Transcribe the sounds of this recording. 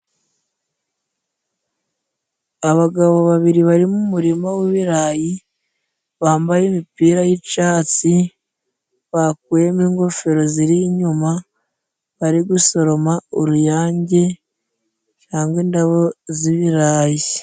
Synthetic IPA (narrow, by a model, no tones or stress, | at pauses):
aβaɡaβoβaβiɾiβaɾimumuɾimaweβiɾaːji | βaːmbajemipiːɾajit͡ʃaːt͡si | βak̚wemiːŋɡo̞fe̞ɾo̞ziɾiɲuma | βaɾiɡuso̞ɾo̞maoɾujaːɲɟe̞ | caːŋɡweːndaβo̞ziβiɾaːji